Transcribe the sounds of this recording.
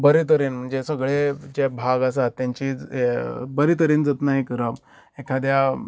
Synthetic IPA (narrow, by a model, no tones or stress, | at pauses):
bəɾit̪̬əɾenm̤əɳd͡zesəɡɭed͡ʑebʱaɡas̬at̪ːjãɲt͡ɕiːd͡z | bəɾit̪əɾind͡zət̪naɦikəɾə | ekʰad̪ja